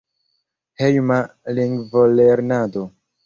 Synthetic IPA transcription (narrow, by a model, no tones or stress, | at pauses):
hejma | liŋɡvoleɾnado